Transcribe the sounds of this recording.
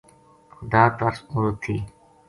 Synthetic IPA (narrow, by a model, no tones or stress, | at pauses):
xʊd̪aːt̪ɐɾsuɾut̪ʰːiː